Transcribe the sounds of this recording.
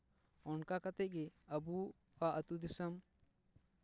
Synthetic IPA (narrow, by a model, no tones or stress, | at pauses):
ɔnkakat̪ɛc̚ˀɡɛəbu | aʔət̪ud̪isəm